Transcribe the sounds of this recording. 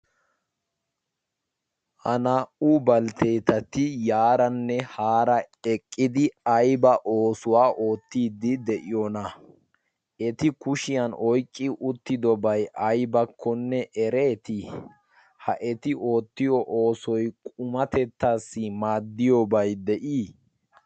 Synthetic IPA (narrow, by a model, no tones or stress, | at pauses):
hɐnaːʔuːbɐlt̪e̞ːt̪ɐt̪ɪjaːɾɐnːɛhaːɾɐɛkʼːɪd̪ɪɐjbɐʔoːsʊwaːʔo̞ːt̪ːiːd̪ːɪd̪ɛʔɪjonɐ | ɛt̪ɪkʊʃɪjɐnɔjkʼːɪʔʊt̪ːɪd̪ɔbɐjʔɐjbɐkʰːɔnːɛʔɛɾe̞ːt̪ɪ | hɐʔɛt̪ɪʔo̞ːt̪ːɪjɔʔoːsɔjkʼʊmɐt̪ɛt̪ːaːsːɪmaːd̪ːɪjɔbɐjd̪ɛʔiː